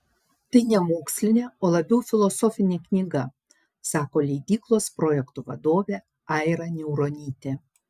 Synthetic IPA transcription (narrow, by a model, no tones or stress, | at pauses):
t̪ɐɪnʲɛmoːksʲlʲɪnʲeːoːlˠɐbʲɛʊfʲɪlˠɔsɔfʲɪnʲeːknʲiːɡɐ | sɑːkoːlʲɛɪd̪ʲiːklˠoːspɾoːjɛkt̪uʋɐ̰d̪oːʋʲeː | ɑˑɪɾɐnʲɛʊɾonʲiːt̪ʲeː